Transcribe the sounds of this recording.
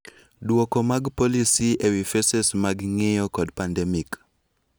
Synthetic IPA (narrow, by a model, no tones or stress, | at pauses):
dwokomaɡpolisiewifesesmaɡŋejɔkɔdpandɛmik